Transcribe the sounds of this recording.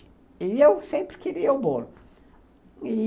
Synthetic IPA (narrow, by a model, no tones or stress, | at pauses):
ɪewsẽmpɾɪkeɾiɐʊbolʊ | i